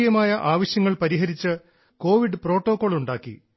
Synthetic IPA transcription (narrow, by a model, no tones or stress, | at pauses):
jɐmaːjɐʔaːʋɐɕjɐŋːɐɭpɐɾiɦɐɾit͡ɕːɨ | ko̞ːʋiɖɨpro̞ːʈːo̞ːkːo̞ːɭuɳɖaːkːḭ